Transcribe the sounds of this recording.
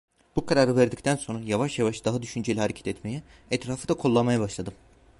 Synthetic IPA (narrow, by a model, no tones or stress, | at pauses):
b̥ukʰaɾaːɾɯvæɾd̪ic̚t̪ʰænso̞nɾajavaʃjavaʃd̪aɦad̪yʃynd͡ʒelʲihaɾecʰɛ̥t̪ʰɛt̪me̞jɛɛt̪ɾaːfɯd̪akʰolˠːamajabaʃlˠad̪ɯm